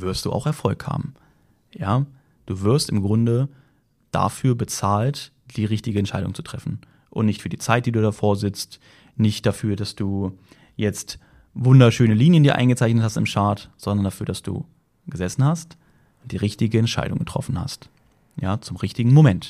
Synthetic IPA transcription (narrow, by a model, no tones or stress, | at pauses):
vɪɐstd̥ṵːʔa̰ʊxɛɐfɔlkha̰ːbm̩ | jaː | d̥uːvɪɐstɪmɡʁʊndə | d̥a̰fyːɐbət͡saːlt | d̥iːʁɪçtɪɡəɛntʃaɪɾʊ̰ŋt͡su̥tʁ̥ɛfn̩ | ʔʊ̰ntnɪçtfyːɐdiːt͡saɪt̚d̥iːduːdafoːɐzɪt͡st | nɪçt̚d̥afyːɐdasd̥uː | jɛt͡st | vʊndɐʃøːnəliːnjəndiːɐʔa̰ɪnŋɡət͡saɪçnəthastɪmʃaɐtz̥ɔndɐndafyːɐdasd̥ṵː | ɡ̥əzɛsn̩hast | ʊnt̚d̥iːʁɪçtɪɡəɛntʃa̰ɪdʊ̰ŋɡətʁ̥ɔ̰fn̩ha̰st | jaːt͡sʊmʁɪçtɪɡŋ̩momɛnt